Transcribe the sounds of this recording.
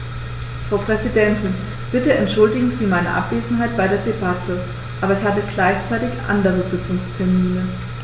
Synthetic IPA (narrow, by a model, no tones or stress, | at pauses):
fʁ̥aʊpʁ̥ɛzidɛntɪn | b̥ɪtəɛntʃʊldɪɡŋ̩ziːmaɪnɐ̰ʔa̰pv̥eːzn̩ɦaɪt̚b̥aɪɾeːɐdebatʰə | ʔaːbɐɪçhaːbəɡlaɪçt͡saɪtɪçʔa̰ndəʁəzɪt͡sʊŋstʰɛɐmiːnə